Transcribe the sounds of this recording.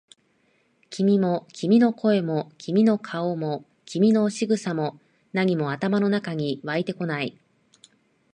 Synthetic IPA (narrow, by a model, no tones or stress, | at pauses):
kʲimʲimo̞kʲimʲino̞kʰo̞e̞mo̞kʲʰimʲino̞kʰaomo̞ | kʲimʲino̞ɕiɡɯ̟samo̞ | naɲ̟imo̞at̪amano̞nakaɲ̟iβait̪e̞ko̞nai